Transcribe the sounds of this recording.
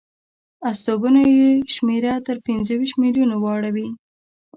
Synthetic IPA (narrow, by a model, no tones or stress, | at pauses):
ast̪obunojeʃmeɾat̪əɾpinzəwiʃt̪miljunowɑɽawi